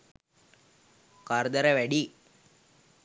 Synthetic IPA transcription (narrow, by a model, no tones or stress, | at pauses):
kɐɾd̪ɐɾɐʋɐɽi